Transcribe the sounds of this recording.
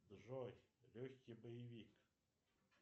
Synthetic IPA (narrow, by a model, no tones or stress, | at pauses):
d̪ʐɔjlʲɵxʲkʲibəjɪvʲik